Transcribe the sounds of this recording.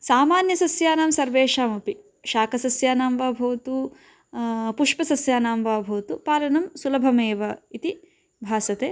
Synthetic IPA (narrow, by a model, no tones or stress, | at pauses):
saːmaːnjɐsɐsjaːnaːmsɐɾʋeːʃaːmupi | ʃaːkɐsɐsjaːnaːmʋaːbʱɐːt̪u | puʂpɐsɐsjaːnaːmʋaːbʱɐːt̪upaːlɐnɐmsulɐbʱɐmeːʋɐit̪i | bʱaːsɐt̪eː